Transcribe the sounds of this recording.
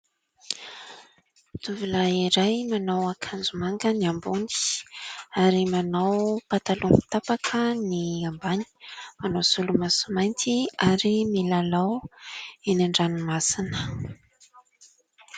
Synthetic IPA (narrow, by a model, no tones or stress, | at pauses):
t̪uvilaiɾajmanawakʰand͡zumaŋɡəniambuni̥ | aɾimanawpat̪alumi̥t̪apakʰəniambaɲi̥manasulumasumajnt̪iaɾimilalaw | enaɳɖ͡ʐanimasinə